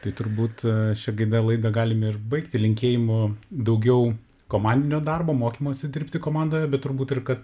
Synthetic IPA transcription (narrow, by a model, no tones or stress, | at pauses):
t̪ɐɪt̪ʊɾbuːt̪ʃʲɛɡɐɪd̪ɐlˠɐɪd̪ɐɡɑːlʲɪmɪrbɐɪkt̪ʲɪlʲɪŋʲkʲeːjɪmʊd̪ɐʊɡʲɛʊ | koːmɑˑnʲd̪ʲɪnʲoːd̪ɑrboːmoːkʲiːmoːsʲɛd̪ʲɪɾʲpʲt̪ʲɪkoːmɑnd̪oːjɛbʲɛt̪t̪ʊɾbuːt̪ɪrkɐt̪